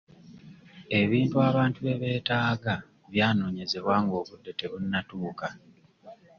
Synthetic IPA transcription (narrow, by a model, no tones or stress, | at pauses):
e̞βiːntuaːβaːntue̞βe̞ːtaːɡa | βjaːno̞ːɲe̞ze̞βwaːŋɡo̞ːβudːe̞te̞βunːatuːka